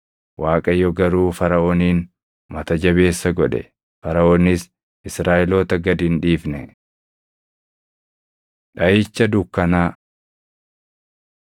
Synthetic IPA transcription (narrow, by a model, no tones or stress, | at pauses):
waːkʼɐjɔɡɐɾuːfɐɾɐʔoːniːn | mɐt̪ɐd͡ʒɐβe̞ːsːɐɡɔᶑɛ̰ | fɐɾɐoːnɪs | ɪsɾaːʔɛloːt̪ɐɡɐd̪ɪnᶑiːfnɛ | ᶑɐjɪt͡ʃːɐd̪ʊkːɐnaː